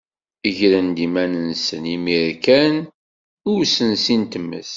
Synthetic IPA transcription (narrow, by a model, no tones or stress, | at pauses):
əʝɾənd̪imænənsənimiɾkæn | ʊɾsənsint̪əmːə̰θ